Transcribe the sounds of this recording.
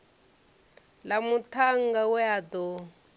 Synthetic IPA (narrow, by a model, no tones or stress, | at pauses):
lamutʰaŋɡawɛadɔ